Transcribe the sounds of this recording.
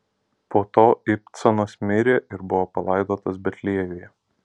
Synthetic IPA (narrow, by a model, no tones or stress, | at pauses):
poːt̪oːɪp̚ʲt̪sɐnoːsmʲɪɾʲeːɪɾbʊʋoːpɐlˠɐɪd̪oːt̪ɐsbʲɛt̪ʲlʲiɛjojɛ